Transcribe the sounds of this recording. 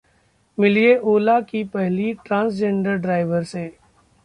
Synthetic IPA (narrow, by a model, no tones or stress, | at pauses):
mɪlieʔoːlakipɛɦliʈɾãːns̬d͡ʒẽɳɖəɾɖɾaːɪʋəɾseː